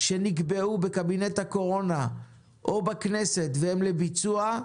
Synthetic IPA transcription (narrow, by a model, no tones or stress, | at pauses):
ʃe̞niɡbeubekabinet̪hako̞ʁo̞na | ʔobaknese̞t̪vehemlebit͡sua